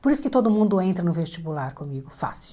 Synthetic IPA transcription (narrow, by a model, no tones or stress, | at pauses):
poɾisʊ̥kɪt̪od̪ʊmũnd̪ʊẽnt̪ɾɐnʊvest͡ʃibulaɾkõmiɡʊfa̰sɪ̥